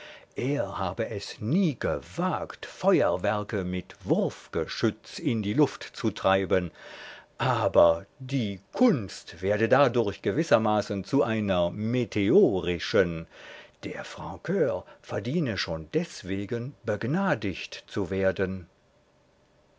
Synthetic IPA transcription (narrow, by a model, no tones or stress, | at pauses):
ʔeːɐhaːbəʔɛsniːɡəvaːktfɔʏɐvɛɐkəmɪtv̥ʊʁfɡ̥əʃʏt͡stɪndiːlʊftt͡sutʁ̥aɪbənʔaːbɐdiːkʰʊnstv̥eːɐdədaːdʊɐçɡ̥əvɪsɐmaːsənt͡suʔaɪnɐmetʰeoːʁɪʃənd̥eːɐfʁ̥ɑ̃kʰøːfɛɐdiːnəʃoːndɛsv̥eːɡənbəɡnaːdɪçtt͡suveːɐdən